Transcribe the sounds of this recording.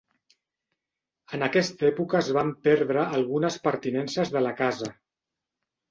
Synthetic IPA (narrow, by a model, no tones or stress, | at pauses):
ənəkɛst̪ɛpukəːzβampɛɾðɾəːlˠɣunəspəɾt̪inɛnsəzðələkazə